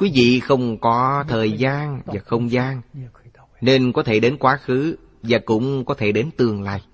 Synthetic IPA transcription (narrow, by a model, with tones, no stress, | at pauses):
kwi˨˦vḭ˧˨xə˧wŋ͡mkɔ˨˦t̪ʰəː˨˩jzaː˧nvaː˨˩xə˧wŋ͡mzaː˧n | ne˧nkɔ˨˦t̪ʰe˧˩ɗe˨˦nkwaː˨˦xɨ˨˦ | vaː˨˩kʊ̰˧˥ŋ͡mkɔ˨˦t̪ʰe˧˩ɗe˨˦nt̪ɨ˨˩əŋla̰ː˧˨j